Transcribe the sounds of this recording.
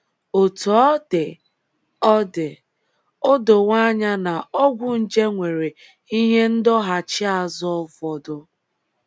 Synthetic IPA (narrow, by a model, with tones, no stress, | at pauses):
o˨tɔ˨ɔ˦dɪ˨ | ɔ˦dɪ˨ | o˦do˨ŋʷa˦ɲa˦na˨ɔ˦ɡʷʊ˦n̩˨d͡ʒe˦ŋʷe˨ɾe˨ | i˦ɲe˦n̩˦dɔ˦ɦa˨t͡ʃɪ˦a˨zɔ˦vɔ˨dʊ˦